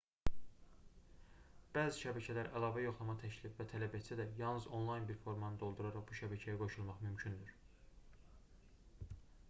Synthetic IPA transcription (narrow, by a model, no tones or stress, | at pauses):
b̥æːziʃæbæcʰælæɾælˠɑːvæjo̞χlˠɑmɑt̪ʰæcʰlifvæt̪ʰælæbæsʰæd̪æjɑlˠnɯzo̞nlˠɑjnbiɾfo̞ɾmɑnɯd̪o̞lˠd̪uɾɑɾɑʁbuʃæbæcʰæjæɡo̞ʃulˠmɑχmymcʰynd̪yɾ̥